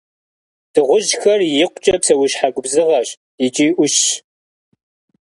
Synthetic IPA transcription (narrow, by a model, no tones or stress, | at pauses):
d̥ɨʁʷʊʒxɐrjɪqʷt͡ʃʼɐpsɐwʊɕħaɡʷʊbzɨʁɐɕ | jɪt͡ʃʼiːʔʷʊɕ